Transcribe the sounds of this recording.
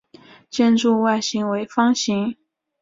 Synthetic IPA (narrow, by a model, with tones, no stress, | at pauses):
t͡ɕjɛ˥˧nʈ͡ʂu˥˧wa˥˩ɪɕi˧˥ŋwe˧˥ɪfɑ˥ŋɕi˧˥ŋ